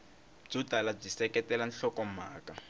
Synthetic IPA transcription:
b͡ʐudʱalab͡ʐisɛkɛtʼɛlan̩ɬɔkɔm̩maːkʼa

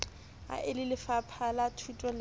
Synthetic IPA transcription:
a̰ʔɪlɪlɪfapʰalatʰutʼɔl

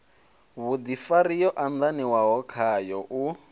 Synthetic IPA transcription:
βud̪ifaɾijɔʔand̪aniwaɦɔkʰajɔʔu

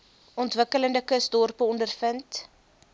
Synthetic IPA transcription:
ɔntvəkələndəkəsdɔrpəɔndərfənt

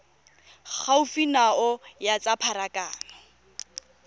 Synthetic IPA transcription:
k͡xʰaufinaɔjat͡sʼapʰaɾakʼaːnɔ

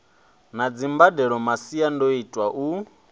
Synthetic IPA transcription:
nad͡zimbadɛɺɔmasiandoitʼwaʔu

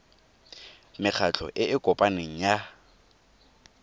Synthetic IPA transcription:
mɪk͡xʰat͡ɬʰɔ̰ʔɪɪkʼɔpʼaneŋ̩ja

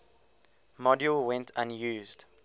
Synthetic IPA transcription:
mɔdjulwɛ̃ntʰãnjuːzd

